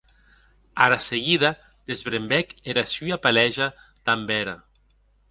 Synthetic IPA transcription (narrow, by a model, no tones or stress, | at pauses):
aɾaseɣiða | d̪̥ezβɾembɛkeɾasyapalɛʒa | t̪ambɛɾa̰